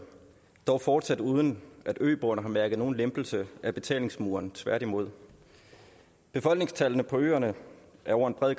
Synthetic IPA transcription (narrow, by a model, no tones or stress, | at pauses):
d̥ɒʊfɒːd̥sæd̥uːð̞ˠən̩ʔæd̥ø̰ːb̥oɐnəɦɑ̈mæɐɡ̥əðˠno̝ːn̩lemb̥l̩səʔæb̥e̝t͡sʰɛ̰ːle̝ŋsmuːɐnt͡sʰʋæɐ̰ɾ̥imo̝ð̞̰ˠ | b̥e̝fɒ̽lɡ̥ne̝ŋst͡sʰælənəpʰɒ̽ø̰ːɐnəʔæɐɒ̰ʊ̰ɐe̝nb̥ʁɛð̰ˠɡ